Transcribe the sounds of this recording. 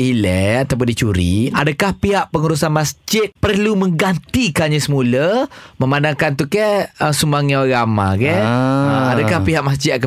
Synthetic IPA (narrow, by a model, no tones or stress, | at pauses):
ilɛat̪awp̬ʊndit͡ʃuɾḭadakahpiɦaʔpəŋuɾusanmasd͡ʒɪt̪̚pərlumə̃ŋɡant̪ikanɲãsəmuləmə̃mandaŋkant̪ukɛəsumaŋjãɡamã̰kɛəadakahpiɦaʔmasd͡ʒɪt̪̚kə